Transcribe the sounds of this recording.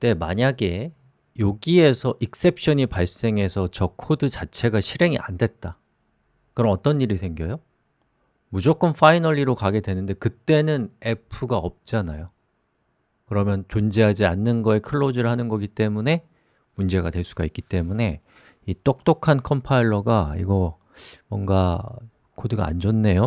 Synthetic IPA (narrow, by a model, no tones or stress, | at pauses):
t͈e̞ma̰ɲaɡe̞ | joɡie̞sʰʌʔik̚s͈e̞p̚ʰɕ͈ʌɲipaɭs͈e̞ŋɦe̞sʰʌt͡ɕʌkʰodɯt͡ɕat͡ɕʰe̞ɡaɕʰiɾe̞ŋiʔa̰ndwe̞t̚t͈a | kɯɾʌmʌt͈ʌnːiɾisʰeŋɡjʌjo | mud͡ʑok͈ɯnfʰainʌʎiɾokaɡe̞dwe̞nɯnde̞kɯt͈e̞nɯne̞pʰɯɡaʌp̚t͡ɕ͈anajo | kɯɾʌmjʌnt͡ɕond͡ʑiɦad͡ʑianːɯnɡʌekʰɯɭːod͡ʑiɾɯɭhanɯnɡʌɡit͈e̞mune̞ | mund͡ʑe̞ɡadweɭs͈uɡaik͈it͈e̞mune̞ | it͈ok̚t͈okʰankʰʌmpʰaiɭːʌɡaḭɡʌ | mwʌŋɡa | kʰodɯɡa̰a̰nd͡ʑʌnːe̞jo